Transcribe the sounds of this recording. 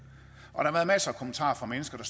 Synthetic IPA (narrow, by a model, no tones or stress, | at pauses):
ʔɒ̽d̥ɾɑʋæɐð̩ˠmæsəkʰomənt͡sʰɑ̰̈ːfʁɑ̈menəsɡ̥ɐd̥ɑ̈s